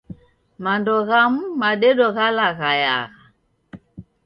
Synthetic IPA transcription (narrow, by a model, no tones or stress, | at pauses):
mandɔɣamumaɗɛɗɔɣalaɣaja̰ɣa